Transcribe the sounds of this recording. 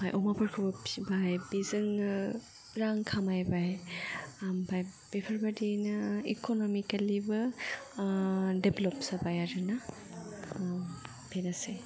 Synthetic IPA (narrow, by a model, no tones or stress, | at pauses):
bajʔɔmapʰaɾkʰɯbɔibajbizɯŋ | ɾaŋkʰamajbaj | mbaj | b̥epʰaɾbadinḭkonɔmikalibɯ | deblɔpsabajaɾɯna | bʰʱenase